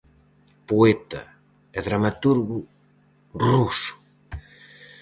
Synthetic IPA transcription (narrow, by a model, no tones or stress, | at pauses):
poet̪ɐ̰ | eðɾamat̪uɾɣu | rusu̥